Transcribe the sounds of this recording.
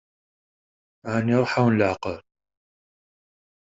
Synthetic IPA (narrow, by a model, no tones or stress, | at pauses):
aniɾˤħawnlaʕqəɾ